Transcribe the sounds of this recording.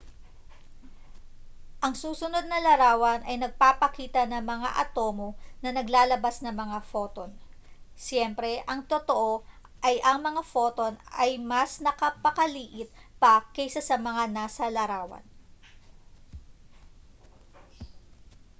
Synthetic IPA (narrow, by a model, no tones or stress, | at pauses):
ʔɐŋsuːsʊno̞d̪̚nɐlɐɾaːwɐnʔɐjnɐɡ̚paːpɐkiːt̪ɐnɐŋmɐŋa̰ʔɐt̪o̞ːmonɐnɐɡlaːlɐbasnɐŋmɐŋafo̞ːt̪onsjɛmpɾɛʔɐŋt̪ot̪oʔo̞ | ʔɐjʔɐŋmɐŋafo̞ːt̪o̞nɐjmɐsnɐkɐpɐkɐliːʔɪt̪̚pɐkɐjsɐsɐmɐŋanaːsɐlɐɾaːwɐ̰n